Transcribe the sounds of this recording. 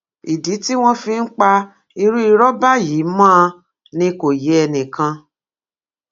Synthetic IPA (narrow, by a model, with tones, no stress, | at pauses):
i˨di˨˦ti˦w̃ɔ̃˦fĩ˧n̩˦k͡pa˧ | i˧ɾu˦i˧ɾɔ˦ba˦ji˨˦mãː˦˧ | nĩ˧ko˨jɛ˨˦ɛ˧nĩ˨kã˧